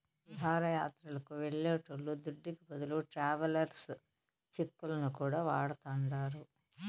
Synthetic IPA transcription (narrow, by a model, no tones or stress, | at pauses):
ʋiɦaːɾɐjaːt̪ɾɐlɐkuʋeɭːeːʈoɭːud̪uɖːikibɐd̪uluʈɾaːʋɐlɐɾs | t͡ʃekːulɐnukuːɽaːʋaːɽɐt̪ɐɳɖaːɾu